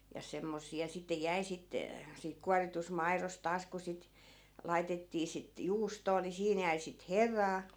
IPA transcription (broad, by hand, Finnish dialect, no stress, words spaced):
jɑ semːosiɑ sitːe jæi sit siːk kuɑritust̆ mɑiros tɑːs ku sit lɑitetːiː sit juːstoː ni siːn jæi sit herɑː